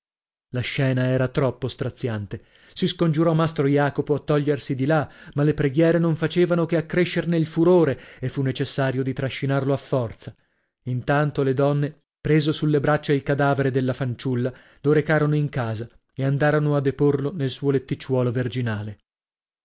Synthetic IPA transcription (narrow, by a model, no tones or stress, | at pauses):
laʃːɛːnaɛːɾat̪ɾɔpːost̪ɾat̪sːjant̪e | siskond͡ʒuɾɔmːast̪ɾojaːkopoat̪ːɔʎːersid̪ilamalːepɾeɡjɛːɾenoɱfat͡ʃeːvanokeakːɾeʃːerneilfuɾoːɾeefːunːet͡ʃesːaːɾjod̪it̪ɾaʃːinarloafːɔrt̪sa | int̪ant̪oled̪ɔnːe | pɾeːzosulːebɾat͡ʃːailkad̪aːveɾed̪elːafant͡ʃulːa | loɾekaːɾonoiŋkaːza | eand̪aːɾonoad̪ːeporlonelsuːolet̪ːit͡ʃːwɔːloverd͡ʒinaːle